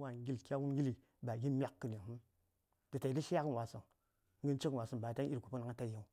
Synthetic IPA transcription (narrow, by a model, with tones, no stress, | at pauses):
wa˨ŋ˦ɡi˦lkʲa˦wu˦ɡʲi˦li˨ | ba˨ɡi˦mʲ˦a˨kːɨ˨n˨i˨mu˦m | d̥ə˨ta˨i˨˦li˦ʃi˦a˦kə˦n˨wa˨sə˨ŋ | ŋɡə˦nt͡ʃə˦knwa˨sə˨ba˨ta˦n˦i˦ɾɡu˨pu˦na˨ŋa˦ta˦ja˦˨w